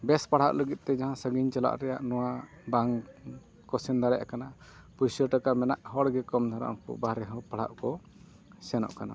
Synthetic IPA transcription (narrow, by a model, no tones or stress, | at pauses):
bɛspaɽ̤aʔləɡit̪̚ˀt̪ɛd͡ʒaɦãsəɡiɲt͡ʃala̰ʔɾɛja̰ʔnɔwa | baŋ | kɔsɛnd̪ʱaɾɛja̰kana | pusəʈakamɛnaʔhɔɽɡɛkɔmd̪ʱaɾa̰ʔkɔ̰baɾɛɦɔ̃paɽ̤a̰ʔkɔ | sɛnɔ̰ʔkana̰